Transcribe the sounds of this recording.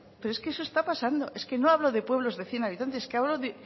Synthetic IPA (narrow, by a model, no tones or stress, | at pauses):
pe̞ɾoeske̞esoe̞st̪apasand̪o̞ʔe̞ske̞no̞aβlo̞ðe̞pwe̞β̞lo̞zðe̞θje̞naβit̪ant̪ese̥keaβloðe